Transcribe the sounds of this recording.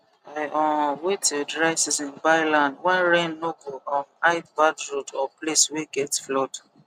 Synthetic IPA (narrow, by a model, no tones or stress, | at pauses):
aɪʔɔwetudɹaɪsisĩnbaɪlãndwɛ̃nɹẽnnokofɔ̃naɪtbadɹodɔplesweɡɛtflɔt